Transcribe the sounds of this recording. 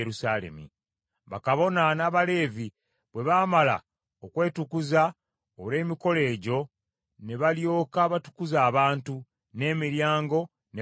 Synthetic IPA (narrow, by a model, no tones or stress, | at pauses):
ɾusaːlḛmḭ | βa̰kaβo̞nanaβale̞ːvi | βwe̞βaːmala̰ | okwe̞ːtukuza | oɾe̞ːmiko̞le̞ːɟo̞ | ne̞βaljo̞ːkaβatu̥kuzaːβaːntu | ne̞ːmiɾjaːŋɡo̞ | ne